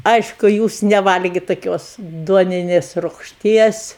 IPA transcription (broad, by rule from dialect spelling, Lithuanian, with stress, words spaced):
ˈɐɪʃkʊ ˈjuːs nʲɛˈʋɐlʲɡʲɪ tɐˈkʲoːs ˈduɔnʲɪnʲeːs rʊkʃʲˈtʲiɛs